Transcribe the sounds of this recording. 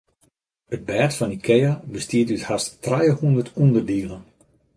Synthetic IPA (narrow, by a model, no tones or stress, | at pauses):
ət̚bɛːtfɔnikʰɛjabəstiətythasttrajəhundərtundərdiːlˠən